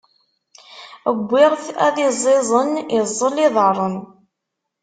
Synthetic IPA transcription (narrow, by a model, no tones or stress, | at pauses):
əɡʷːɪʁθæ̰ðɪzˤɪzˤənɪzˤːəlɪðˤəɾˤən